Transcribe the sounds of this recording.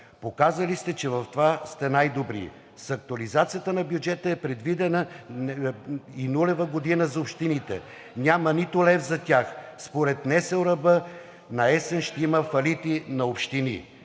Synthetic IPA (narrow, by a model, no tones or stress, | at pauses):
pokazəlist̪ɛt͡ʃɛvɐft̪ovast̪ɛnajd̪obɾḭ | sɐk̚t̪ʊɐlizat̪sijət̪ənɐbjud͡ʒɛt̪əɛpɾɛd̪vid̪ɛnə | inulɛvəɡod̪inəzɐopʃt̪init̪ɛ | nʲamɐnit̪ʊlɛfzɐt̪ʲaxspoɾɛt̪nɛsɛlɾɐbə | nɐɛsɛnʃt̪ɛiməfɐlit̪inɐopʃt̪inḭ